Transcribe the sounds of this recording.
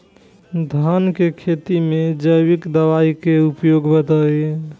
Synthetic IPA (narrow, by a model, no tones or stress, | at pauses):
d̪ʱankekʰet̪imed͡ʒəjbikd̪əβaikeupjoɡbəd̪əj